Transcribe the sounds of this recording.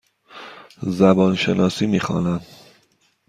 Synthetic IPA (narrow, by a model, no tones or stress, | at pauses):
zæbɒːnʃenɒːsiːmiːxɒ̰ːnæm